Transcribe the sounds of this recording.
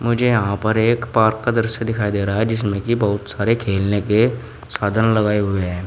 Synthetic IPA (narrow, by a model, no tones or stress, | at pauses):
mʊd͡ʒʱejɐɦãpɐɾeːkpaːɾkːad̪ɐɾsed̪ɪkʰaːid̪eːɾaɦaɦɛd͡ʒɪs̬mẽkibɐɦʊt̪saːɾekʰeːlneke | saːd̪ʱənlɐɡaːeɦʊeɦɛː